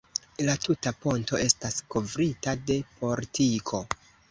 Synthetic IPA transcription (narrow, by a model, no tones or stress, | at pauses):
latutapo̞nto̞e̞stasko̞vɾitade̞pʰo̞ɾtʰikʰo̞